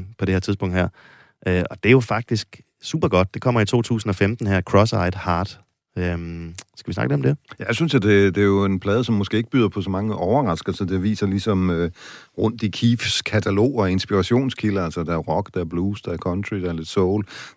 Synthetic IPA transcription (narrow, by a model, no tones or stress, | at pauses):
pʰɒd̥e̝heɛɐ̰t͡siðˠspɔ̽ŋd̥ɦeɐ̰ | ʔøɒ̽d̥e̝jo̝fɑ̈ɡ̥̚d̥isɡ̥ | sṵːb̥ɐɡ̥ɒ̽d̥d̥e̝kʰɒ̽m̰ɐit͡sʰo̝̰ːt͡sʰṵːsn̩ɒ̽femd̥n̩hæɐ̰kʰʁɒ̽sɑ̈ɪd̥hɑ̈ːd̥ | ømsɡ̥æʋisnɑ̈ɡ̥le̝̥ɒmd̥e̝jæsynsjɑd̥e̝d̥ejo̝e̝npʰlɛːð̞ˠəsɒ̽mːɔ̽sɡ̥e̝̰ːeɡ̥əb̥yð̰ˠɐpʰɒ̽sɒmɑ̈ŋəʔɒʊɐʁɑ̈sɡ̥ɐsɒd̥e̝ʋḭːsɐlisɒ̽mø | ʁɔ̽n̰d̥ikʰiːfskʰæt͡sʰælo̝̰ːɒe̝nsb̥iʁɑɕo̝̰ːnskʰiləælsɐd̥ææɐʁɒ̽ɡ̥d̥ææɐb̥luːsd̥ɑɐkʰɒnt͡sʰʁid̥ææɐle̝d̥sɔʊl